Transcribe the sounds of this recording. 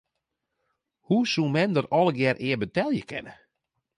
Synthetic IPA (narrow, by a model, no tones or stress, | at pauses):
husumɛndərɔlˠəɡjɛrʔɪːbətɛlˠjəkʰɪ̰nə